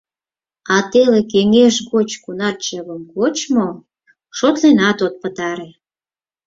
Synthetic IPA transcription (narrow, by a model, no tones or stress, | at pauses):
ɑt̪elekeŋeʃɣot͡ɕkunɑt͡ɕəβəmkot͡ɕmo | ʃot̪lenɑt̪ot̪̚pət̪ɑɾe